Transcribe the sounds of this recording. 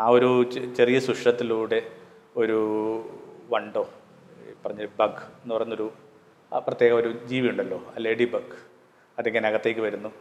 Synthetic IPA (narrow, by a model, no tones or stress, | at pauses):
aːo̞ɾut͡ɕe̞rijɐsuʂʈɐt̪ːiluːɽe̞ | o̞ɾu | ʋɐɳɖo̞ː | pɐrɐɲːɐɭbɐɡenːupɐrɐjɲnːo̞ɾu | prɐt̪ːjeːɣɐmo̞ɾud͡ʑiːʋiuɳɖɐlːo̞̰ːleːɖibɐɡ | ɐðeŋːɡːɐneɐɣɐt̪ːe̞ːk̬ʲːɨʋɐɾunːu